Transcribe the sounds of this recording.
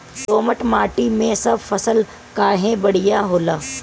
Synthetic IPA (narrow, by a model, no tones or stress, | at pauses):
t̪oːməʈmaːʈimẽsɐbfɐsəl | kaːɦẽbɐɽ̤ijaɦoːlaː